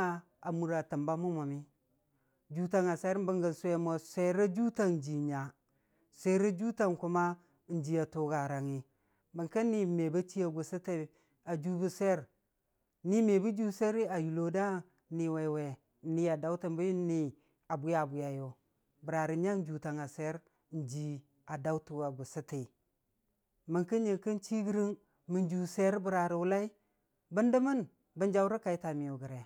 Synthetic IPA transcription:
a˦ | a˨mu˨ɾa˨ta˨mba˦mu˦ma˨mi˦ | d͡ʒu˦ta˦ŋa˨se˦ɾbə˦ŋɡa˨se˦mo˨se˦ɾa˦d͡ʒu˦ta˦n˨d͡ʒi˨ɲa˨ | sʷe˦ɾa˦d͡ʒu˦ta˦ŋku˦ma˦˨˦ | n̩˦d͡ʒi˨a˨tu˨ɡa˨ɾa˨ŋi˨ | bə˨ŋka˦nːi˦˨me˨ba˦t͡ʃi˦a˨ɡu˨sa˦te˦ | a˨d͡ʒu˦bu˦se˦ɾ | ni˦me˨bu˦d͡ʒu˦se˦ɾi˦a˨ju˨lo˦da˦ | ni˨we˨we˨˦ | ni˦a˨da˦wtə˨mbu˦jni˨˦ | a˨bu˦ja˨bu˨ja˨jo˨ | bə˨ɾa˨ɾi˨ɲa˦n˦d͡ʒu˨ta˨ŋa˨se˦ɾ | n̩˨d͡ʒi˨ | a˨da˦u˦tu˨a˨ɡu˨si˦ti˨ | mə˨ŋki˦ɲi˨ŋki˦n˦t͡ʃi˦ɡi˦ɾi˦ŋ | mə˨nd͡ʒu˨se˦ɾbə˨ɾa˨ɾi˨wu˦la˦i˦ | bə˦ndə˦mə˦n | bə˦nd͡ʒa˦wɾə˦ka˨i˦ta˨mi˨o˨ɡə˨ɾe˨

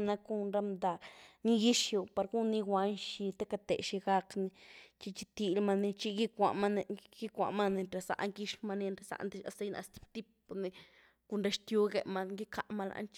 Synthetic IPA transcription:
na˧ku˧nɾa˦md̪a˨kni˦ɡi˦ʃju˧pa˧ɾɡu˦nːi˧wʷa˧nʃi˧t̪e˦ka˧t̪ḛ˨ʃi˧ɡa˧kni˧t͡ʃi˧t͡ʃi˧t̪i˧lma˧ni˧t͡ʃi˦˧ɡi˦kʷa˨ʔma˦n˧ɡ̥i˦kʷa̰˨ma˦ni˧nɾe˧˨sa̰˨ʔŋɡi˦ʃma˧ni˧nɾe˧˨sa̰˨nd̪i˦˧a˧sa˧jna̰˧st̪i̥˦pt̪i˦p̚ːni˧ | ku˧nɾe˧ʃt̪ju˦ɡe˧ma˧ŋɡi˦kʰa˨ʔma˧la̰˧nt͡ʃ

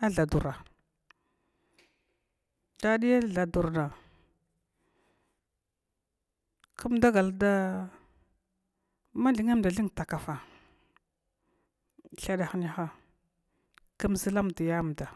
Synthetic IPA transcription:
a˦ɮa˨du˨ɾa˨ | da˦ɗi˦ja˦ɮa˨du˨ɾna˨ | ku˦mda˦ɡa˨lda˦ | ma˦ɮi˨ŋa˦m˨da˨ɮi˦ŋ˨ta˨ka˨fa˨ | ɬa˦ɗa˨xni˦xa˦ | kə˦mzi˦la˦m˨di˨ja˦˨m˨da˨

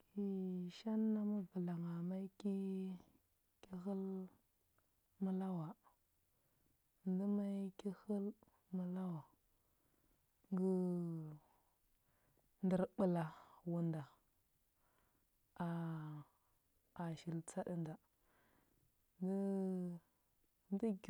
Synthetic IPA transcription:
ki˨ʃa˦nːa˦mu˦və˨la˨ŋa˨ma˦i˦ki˦ | ki˦hi˦l | mu˦la˦wa˨ | ndi˦ma˦i˦ki˦hə˦l | mu˨la˦wa˨ | ŋɡi˦ | ndi˨ɾɓə˨la˨wu˨nda˨ | a˨ | a˨ʃi˨lt͡sa˦ɗi˦nda˨ | di˦ | n˦di˦ɡ

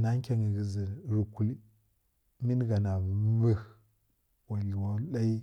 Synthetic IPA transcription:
na˦ŋ˦kʲa˦ŋə˨ɡi˨zi˨ɾu˨ku˦li˦ | mi˦n˦ɡa˨na˨˦və˦x | wa˨li˨wa˦la˦i˦

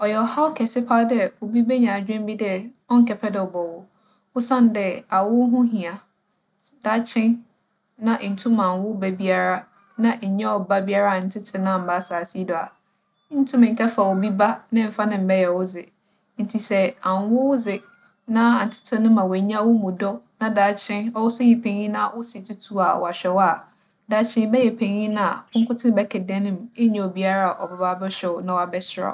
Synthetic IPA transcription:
ɔ˨jɛ˨ɔ˨ha˦wkʰɛ˨sɪ˦pʰa˦dɛ˦wo˨bi˦be˦ɲã˨d͡ʑᶣɪ̃˦m˦bi˦dɛ˦ | ɔ˦ŋ̩˦kʰɛ˨pʰɛ˦dɪ˨ɔ˨bɔ˨wʊ˨ | wʊ˦sã˦n˨dɛ˦a˨wʊ˦ɦʊ̃˦ɦĩ˨a˨ | da˦t͡ɕʰɪ̃˦n | nã˦ʔn̩˨tʰũ˦mã˨wʊ˦bɛ˦bi˦a˦ɾa˦ | nã˦ʔɲ̩˨˦ɲã˦ɔ˨ba˦bi˦a˦ɾa˦˨n̩˨tʰɪ˦tʰɪ˨nã˦˨m̩˨ba˦saː˨si˦dɔ˨a̰˨˦ | n̩˦tʰũ˦mɪ̃˨kʰɛ˦fa˨wo˨bi˦ba˦nɪ̃˦m̩˨fa˦nɪ̃˦m̩˨bɛ˦jɛ˨wʊ˦zɪ˨ | n̩˨tʰi˨sɛ˦ã˨n˦wʊ˦wʊ˦zɪ˨ | nã˦a˨n̩˨tʰɪ̥˦tʰɪ̃˨nʊ̃˦mã˨wɔ˨˦ɲã˦wʊ˦mũ˨dɔ˦nã˦daː˨t͡ɕʰɪ̃˦nɔ˦wʊ˦sʊ˦ji˨pʰẽ˨ɲĩ˦nã˦˨wʊ˦sɪ˨tʰʊ˦tʰu˦a̰˨wɔ̰˨a˨ɕᶣɛ˨wa˨ | da˨˦t͡ɕʰɪ̃˦n˦bɛ˦jɛ˨pʰẽ˨ɲĩ˦nã˦a˨kʊ̃˦kʊ˦tʰɪ̃˦bɛ˦kʰɛ˨dɛ̃˦nɪ̃˦m˨e˦ɲɛ̃˦ɔ˨bi˦a˦ɾa˦a˨ʔɔ˨ba˨˦baː˦bɛ˦ɕᶣɛ˨wɔ˨nã˨wɔ˦a˨bɛ˦sɪ˨˦ɾa̰˨

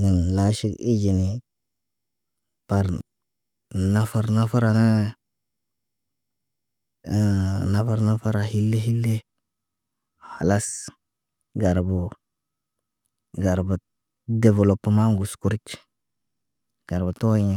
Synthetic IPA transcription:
ɡə˨nla˦ʃi˦ki˦d͡ʒi˨ni˨ | pa˨ɾ | na˦fa˨ɾna˦fa˦ɾa˨na˦˨ | na˦fa˦ɾna˦fa˦ɾa˨hi˦lːe˦ɦi˦lːe˦ | ha˨la˦s | ɡa˨ɾbu˨ | ɡa˨ɾbu˨ | de˨ve˨lo˨pːə˨ma˦ŋɡu˨sku˦ɾt͡ʃ | ɡ̥a˨ɾbu˨to˦ɲi˦

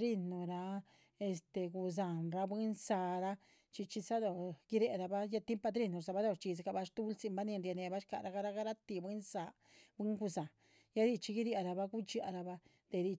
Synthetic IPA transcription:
ɾi˧nːu˨ɾa˧ | e˧st̪e˨ɡu˧z̬a˨nɾa˧bwi˦nsa˧ɾa˦ | t͡ʃi˧t͡ʃi˧sa˦d̪o˧ɡ̥i˦ɾe˧ɾa˧ba˦ja˦t̪i˦mpa˧d̪ɾi˦˧nu˨ɾsa˧ba˦d̪o˧˨ʂt͡ʃi˧ska˧ba˧ʂt̪u˦lsi˧mba˦ni˧nɾja˧ne˨ba˦ʃka̰˨ɾa˧˦ɡa˦ɾa˦ɡa˦ɾa˦t̪i˧bwi˦nsa˧ | bwi˦ŋɡu˧za˨ | ja˦d̪i˧t͡ʃi˧˦ɡi˦ɾja˧ɾa˧ba˦ɡu˦t͡ʃi˧a˧ɾa˧ba˦ | d̪̥e˨˧d̪i˧

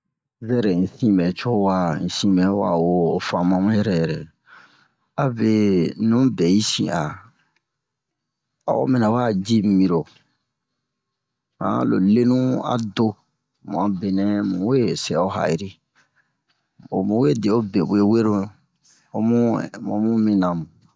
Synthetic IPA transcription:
zɛ˦ɾɛ˨ĩ˨sĩ˦bɛ˨t͡ʃo˦wa˨ĩ˨sĩ˦mɛ˨˦wa̰˨woː˨fã˨mã˨mũ˦jɛ˦ɾɛ˨jɛ˨ɾɛ˨ | a˨be˨˦nũ˨˦bɛ˨i˦sḭ̃˨ʔa˨ | a̰˨wo̰˦mɛ̃˨na˨wa˦d͡ʒi˦m˨mĩ˨ɾo˨ | hã̰˦˨lo̰˨le˦nũ˦a̰˨do˦ | mṵ̃˨ã˨be˨nɛ̃˦mũ˨we˦sɛ˨o˦ɦa̰˨i˨ɾi˦ | o˨mũ˨˦we˦de˨o˦be˨bu˨e˦we˦ɾo˦˨ | o˨mṵ̃˦mõ˨mũ˦mĩ˦nã˨mu˨

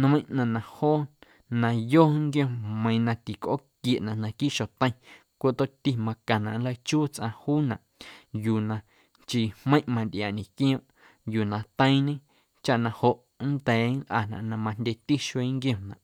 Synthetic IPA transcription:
n˧mə̃˦j̃ʔnã˨nã˨hoː˦ | nã˧joː˦ŋɡjõ˧˨mə̃˧j̃nã˧t̪i˨kʔo̰˦kje˨ʔnã˨ʔnã˨ki˦ʔʃo˨t̪ə̃˦j̃ | kʷo˦ʔt̪o˦ʔt̪i˧mã˧kã˨nã̰˨ʔnlə˧jt͡ʃuː˦t͡sʔã˧huː˦nã˨ʔjuː˨nã˧ | nt͡ʃiː˨hmə̃˦j̃ʔmã˧nd̪jaː˨nĩ˨kj̃õ˦ʔ | juː˨nã˨t̪ə̃˦j̃ɲẽ˦ | t͡ʃa˦ʔnã˧ho˨ʔ | nd̪ɛː˨˦nlʔa˨nã̰˨ʔnã˧mã˧n̥dʲe˧t̪i˦ʃwe˧˦ŋɡj̃õ˧nã̰˨ʔ

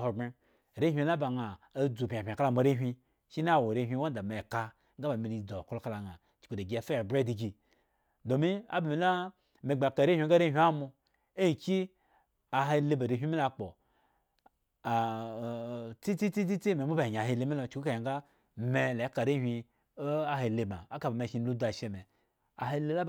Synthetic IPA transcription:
ɦo˨be˦˨ | ɾe˦ɦʷi˧˦la˦ba˨ŋa˨a˦d͡zu˨pʲa˨pʲa˨ka˦la˦mo˨ɾe˦ɦʲʷi˧ | ʃi˦na˦a˦˨wo˨ɾe˧˦˨ɦʷi˧˦wa˦n˦da˨me˨ka˧ | ŋ̩˦ɡa˦ba˨mi˨ɾi˧˨d͡zo˨ko˦lo˦ka˦la˨ŋa˨ | t͡ʃi̥˨ku˨da˨ɡʲi˧a˨fa˦˨bɾe˦di˨ɡi˧ | do˨mi˦a̰˦ba˨mi˧˦la˦ | me˨ɡ͡ba˨ka˨ɾe˦hʷi˦ɡa˦ɾe˦ɦʲʷi˦a˦mu˧ | e˦˨kʲi˦ | a˨ɦe˧le˧ba˨ɾi˧˨ɦʷi˦mi˦la˧k͡po˨ | t͡si˦t͡si˦t͡si˦t͡si˦t͡si˦me˨˦mu˦ba˨a˨ɦe˧le˧˦mi˦lo˧t͡ʃku˦ka˨ja˨ŋɡa˦ | me˧le˨˦ka˨ɾe˦ɦʷi˧˦ | a˦ɦe˧le˧ma̰˨a˦ka˨ba˨me˧˨ʃi˧lu˦da˨ʃe˧me˨ | a̰˨ɦe˧le˧˦la˦

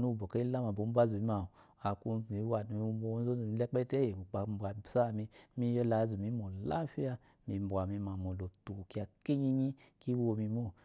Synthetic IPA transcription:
nu˦˨bo˨ke˦la˦ma˨bo˨˦bʷa˦zu˨i˦ma˨ | a˨ku˧˦˨i˨˧˦wa˨du˨i˧˦bo˧˦zo˦zo˨mi˧˦lɛ˦k͡pɛ˦te˦je˨u˨k͡pa˨m̩˦bʷa˨sa˦˨mi˧mi˦jo˦la˨˦zu˨mi˨˦mo˨la̰˦fi˦a˧ | mi˨˧˨bʷa˨mi˧ma˨mo˨lo˨tu˨ki˦a˧ke˦ɲi˦ɲi˦ki˦wo˧mi˧mo˦˨

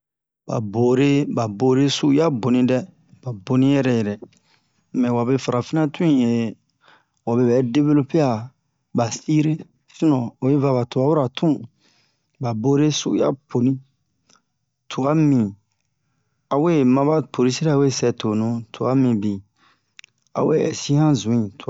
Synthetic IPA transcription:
ba̰˨bo˨ɾe˦ba˨bo˨ɾe˦su˦ja˦bo˨nĩ˦dɛ˦ | ba˨bo˨nĩ˦jɛ˦ɾɛ˦jɛ˨ɾɛ˨ | mɛ̃˨wa˨be˧fa˨ɾa˨fi˦nã˦tũ˦ĩ˦˨je˨ | wa˨be˧bɛ˨˦de˦be˦lo˦pe˦a˨ | ba˨si˦ɾe˦ | si˦nɔ̃˨o˨je˦va˧βa˨to˨a˨˦wu˦ɾa˨tʰũ˦ | ba˨bo˦ɾe˦sṵ˦u˦ja̰˦pʰo˨nĩ˦ | tʰu˨a˦mĩ˨ | a˨we˦˨mã˧ba˦pʰo˨ɾi˦si˦ɾa˦˨we˦˨sɛ˧to˨nũ˨˦tʰo˨a˦mĩ˨bi˨ | a̰˨we˦ɛ˨sĩ˦hã˦zũ˨ĩ˨tu˨

